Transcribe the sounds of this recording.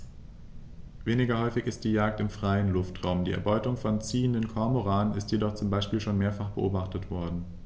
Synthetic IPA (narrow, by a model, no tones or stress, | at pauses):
veːnɪɡɐhɔʏfɪçɪst̚d̥iːjaːk̚tɪmfʁ̥aɪənlʊftʁ̥aʊmdiːʔɛɐbɔʏtʊŋfɔnt͡siːəndənkʰɔɐmoʁaːənɪstjedɔχt͡sʊmbaɪʃpiːlʃoːnmeːɐfaχb̥əʔoːbaχtətv̥ɔɐdn̩